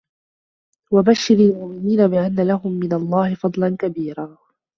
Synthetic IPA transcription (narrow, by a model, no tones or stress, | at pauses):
wabaʃːɪɾalmʊʔmɪniːnabɪʔanːalaɦʊmːɪnalˤːɑːhɪfɑd̪ˤlankabiːɾaː